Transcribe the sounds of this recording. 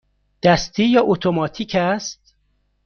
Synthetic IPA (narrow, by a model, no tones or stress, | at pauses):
d̪̥æst̪ʰiːjɒːʔot̪ʰomɒːt̪ʰiːcʰæst̪̚